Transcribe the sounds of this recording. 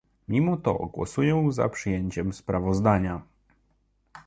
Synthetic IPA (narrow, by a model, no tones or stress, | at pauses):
mʲimɔt̪ɔ̰ɡwɔ̰sujɔ̃w̃za̰pʂɘjeɲt͡ɕɛmspɾavɔzd̪aɲa